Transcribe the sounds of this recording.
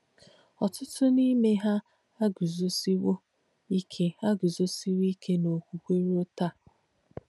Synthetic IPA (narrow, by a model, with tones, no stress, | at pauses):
ɔ˨tʊ˦tʊ˦ni˦me˦ɦa˦ | a˦ɡʊ˨zo˨si˦wo˦ | i˦kʰe˦a˦ɡʊ˨zo˦si˦wi˦kʰe˦no˨kʷu˨kʷe˦ɾo˦ta˦˨